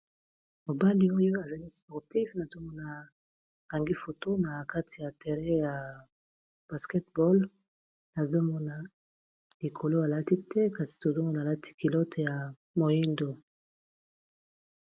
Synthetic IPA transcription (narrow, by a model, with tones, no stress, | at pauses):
mo˨ba˦li˦o˦jo˦a˨za˨li˦spɔ˨ʁti˦fna˨zo˦mɔ˦na˨ | ɡa˨ŋɡi˦fo˨to˦na˨ka˦tʰi˨ja˨tɛ˨ʁɛ˦ja˨ | b̥a˨skɛ˦tbɔ˦l | na˨zo˦mɔ˦na˦ | li˨kʰo˨lo˦a˨la˦ti˦tɛ˦ka˨si̥˨to˨zo˦mɔ˦na˨la˦tʰi̥˦ki˨lo˦tja˨ | mo˨ji˦ndo˨